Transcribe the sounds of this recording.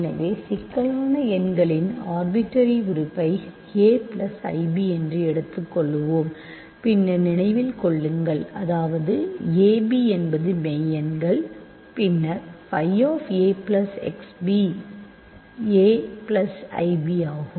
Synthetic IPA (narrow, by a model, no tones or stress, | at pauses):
nɐʋeːsɪkːɐɭaːnɐɛnɡɐɭɪnaːɾbɪʈːɐɾiʊɾʊpːɐɪ | eːpɭɐsɐ̰ɪbiɛndrɯɛɽɯt̪ːɯkːɔɭːɯʋoːm | pɪnːɐnɪnɐɪʋɪlkɔɭːɯŋɡɐɭɐðaːʋɐðɯeːbiɛnbɐðɯmɛjɛnɡɐɭ | pɪnːɐɾfɐɪoːfeːpɭɐsɛ̰ksbi | eːplɐsɐ̰ɪbiaːɣɯm